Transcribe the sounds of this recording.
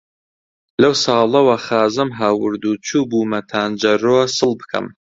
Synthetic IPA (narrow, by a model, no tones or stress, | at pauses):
lɐwsɑːlˠɐwɐχaːzɨmɦaːwɨɾd̪uːt͡ʃʰuːbuːmɐt̪ʰaːnd͡ʒɐroːsɨlˠbɨkʰɐ̰m